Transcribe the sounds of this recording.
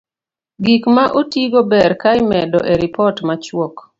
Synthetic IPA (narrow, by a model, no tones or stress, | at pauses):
ɡikmaʔotiɡobɛɾkajmɛdɔʔeɾipɔtmat͡ʃwɔk